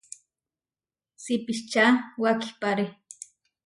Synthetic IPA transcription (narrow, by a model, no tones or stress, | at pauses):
sipiʃt͡ʃawaki̥paɾe